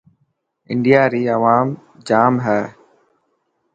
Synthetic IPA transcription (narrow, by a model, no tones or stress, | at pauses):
ɪ̰ɳɖɪjaːɾiːəʋaːm | d͡ʒaːmɦɛː